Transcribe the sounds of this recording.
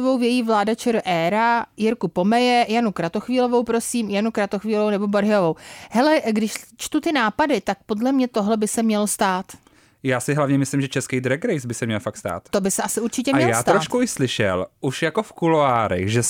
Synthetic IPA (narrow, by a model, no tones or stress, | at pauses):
vowvjɛjivlaːdat͡ʃɛɾʔɛːɾajɪɾkupo̞mɛjɛjanukɾat̪o̞xviːlo̞vowpɾo̞siːmjanukɾat̪oxviːlovownɛbo̞boɾɦɪjovowhɛlɛɡdɪʃt͡ʃt̪ut̪ɪnaːpadɪt̪ak̚po̞dlɛmɲɛt̪o̞ɦlɛbɪsɛmɲɛlost̪aːt̪ | jaːsɪɦlavɲɛmɪslɪmʒɛt͡ʃɛskɛjd̪ɾɛɡɾɛjsbɪsɛmɲɛlfaktst̪a̰ːt̪t̪o̞bɪsɛʔasɪʔuɾt͡ʃɪcɛmaɲɛjaːt̪ɾoːʃkuʔɪslɪʃɛ̰lʔuʃjakofkuloaːɾɛ̰xʒɛ